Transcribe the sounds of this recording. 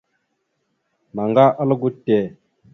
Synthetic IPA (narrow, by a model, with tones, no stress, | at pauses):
ma˨ŋɡa˦ʔa˦lə˦ɡu˦tːe˨